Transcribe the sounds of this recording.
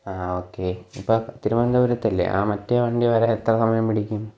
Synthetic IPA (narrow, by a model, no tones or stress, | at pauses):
aːoːkːeːipːoːt̪iɾuʋɐnd̪ɐʋuɾɐt̪ːɐlːḛʔa̰ːmɐtːeʋɐɳɖiʋɐɾeet̪ːrɐkɐmːɐnɐmpiɽikʲːum